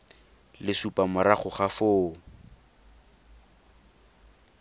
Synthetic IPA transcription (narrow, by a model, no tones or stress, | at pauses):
lɪsupʼamʊɾaχʊχafʊː